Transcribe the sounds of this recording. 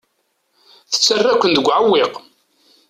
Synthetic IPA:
θə̥t͡sːərːækʷːənd̪əɡʷʕəwːɪq

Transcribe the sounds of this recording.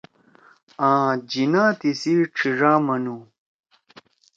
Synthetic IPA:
ãːd͡ʑinaːt̪isiʈ͡ʂʰiʐaːmɐnu

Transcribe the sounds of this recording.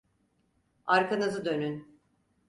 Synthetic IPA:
aɾkʰanɯzɯd̪ø̞nyn

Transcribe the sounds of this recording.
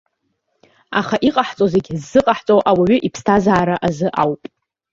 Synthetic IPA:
a̰χaʔiqʼaħt͡sʼozeɡʲɪzːɨqʼaħt͡sʼowʔawaɥʏʔipʰstʰazaːɾaʔazɨʔawpʼ

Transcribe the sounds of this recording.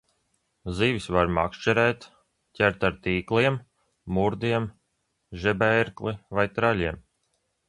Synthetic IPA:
ziːvisvaɾma̰kʃt͡ʃɛɾɛjt̪ | cʲæɾt̪aɾt̪iːklˠiɛmː | uɾd̪iɛm | ʒɛbɛɾklˠivajt̪ɾalʲiɛm

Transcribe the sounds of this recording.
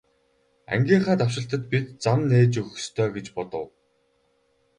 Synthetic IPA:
æ̰ŋɡʲiːɴχæːt̪awʃɪ̆ɬt̪ə̆t̪̚pit̪t͡samneːt͡ɕɵxɵ̆st̪ʰœːɡet͡ɕpɔt̪ə̆w

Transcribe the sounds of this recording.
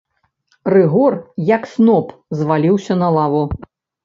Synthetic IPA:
rɨɣɔrjɐksnɔpzvalʲiwsʲɐnɐlˠavu

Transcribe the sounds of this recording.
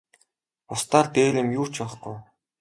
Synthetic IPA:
ʊst̪aːrt̪eːlɘ̆mjuːt͡ɕʰɔ̆χɡuj

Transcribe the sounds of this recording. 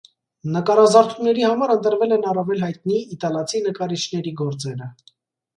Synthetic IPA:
nəkɑɾɑzɑɾt̪ʰunːɛɾihɑmɑɾənt̪əɾvɛlɛnɑrɑvɛlɦɑjt̪̚niːt̪ɑlɑt͡sʰinəkɑɾit͡ʃʰnɛɾiɡɔɾt͡sɛɾə

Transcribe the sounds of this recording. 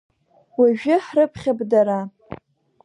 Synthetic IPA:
waʒᶣɪħrɨpʰχʲabdaɾa

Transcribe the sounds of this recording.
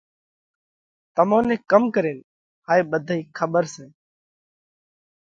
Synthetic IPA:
t̪əmãːnẽːkəmkəɾeːn | ɦaːeːɓəd̪ʱaːiːkʰəɓəɾsẽː

